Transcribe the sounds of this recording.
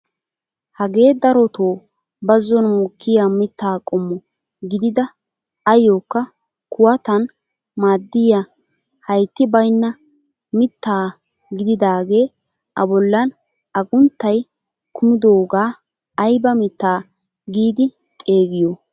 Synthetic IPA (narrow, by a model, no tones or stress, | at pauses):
hɐɡe̞ːd̪ɐɾɔt̪oː | bɐzːɔnmʊkʰːɪjamɪt̪ːaːkʼɔmːɔ | ɡɪd̪ɪd̪ɐ | ɐjoːkːɐ | kʊwɐt̪ɐn | maːd̪ːɪja | hɐjt̪ːɪbɐjnːɐ | mɪt̪ːaː | ɡɪd̪ɪd̪aːɡe̞ː | ʔɐbɔlːɐn | ɐɡʊnt̪ːɐj | kʰʊmɪd̪oːɡaː | ɐjbɐmɪt̪ːaː | ɡiːd̪ɪ | t̪ʼe̞ːɡɪjo